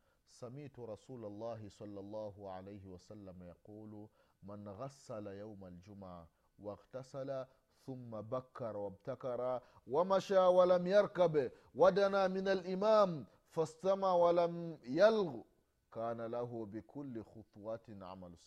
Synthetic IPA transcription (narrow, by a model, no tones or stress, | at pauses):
samɪʕt̪ʊɾˤɑsuːlalˤːɑːɦɪsˤɑlːɑlˤːɑːɦʊʕa̰lajhɪwasalːamajɑquːlmanɣasːalajawmald͡ʒʊmaʕ | waɣt̪asala | θʊmːabakʰːɑɾˤwab̚t̪akɑɾˤɑ | wamaʃaːwalamjɑɾˤkab | wad̪anamɪnalʔɪmaːm | fast̪amaʕwalamjalɣ | kaːnalaɦʊbɪkʰʊlːɪxʊt̪ˤwɑt̪ʕa̰mals